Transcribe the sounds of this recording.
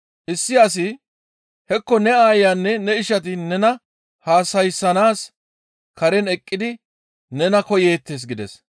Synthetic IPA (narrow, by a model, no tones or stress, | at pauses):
ʔɪsːɪɐs̬ɪ | hɛkːɔnɛaːjaːnːɛnɛɪʃɐt̪̬ɪnɛnɐ | haːsɐjsːɐnaːs | kɐɾɛnɛkʼːɪd̪ɪ | nɛnɐkɔjeːt̪ːeːs̬ɡɪd̪ɛ̰s